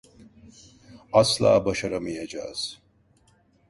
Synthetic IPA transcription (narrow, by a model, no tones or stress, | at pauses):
aslˠa̰ːbaʃaɾamɯjad͡ʒa̰ːz̥